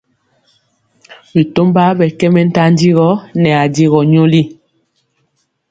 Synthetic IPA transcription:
bi˨to˦mba˦bɛ˨kɛ˦mɛ˦n̩˦ta˦n˦di˦ɣɔ˦nɛ˨a˨di˦ɣɔ˨ɲo˦li˦

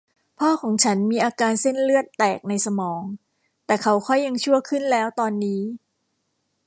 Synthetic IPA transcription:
pʰɔː˥˩kʰɔː˩˦ŋt͡ɕʰa˦˥nmiː˧ʔaː˧kaː˧nse˥˩nlɯ˥˩ət̪ːɛː˨˩k̚na˧jsa˧mɔː˩˦ŋ | t̪ɛː˨˩kʰa˦˥wkʰɔ˥˩jːa˧ŋt͡ɕʰu˥˩əkʰɯ˥˩nlɛː˦˥wt̪ɔː˧nːiː˦˥

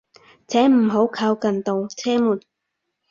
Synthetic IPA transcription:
t͡sʰɛː˨˥m̩˨˩ɦo˨˥wkʰaː˧wkɐ˨˩nt̪o˨wt͡sʰɛː˥muː˨˩n

